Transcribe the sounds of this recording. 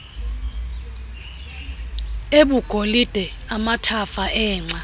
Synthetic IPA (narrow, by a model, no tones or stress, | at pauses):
eɓuɡ̥ʱolid̥ʱɛ | amatʰafaʔɛːŋ͡ǀʱa